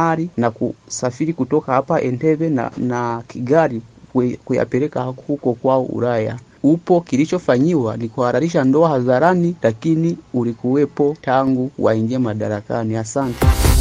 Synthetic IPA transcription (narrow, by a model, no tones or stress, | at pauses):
aɾinakṵsafiɾikutɔkahapaʔɛntɛvɛ̰nakiɡaɾikuja̰pɛɾɛkahhukɔkwaɔʔṵɾaja̰ | upɔkilit͡ʃɔfaɲiwanikuhaɾaɾiʃandɔahazaɾanilakiniulikuwɛpɔtaŋɡuwa̰iŋɡiɛmaɗaɾakaniasantɛ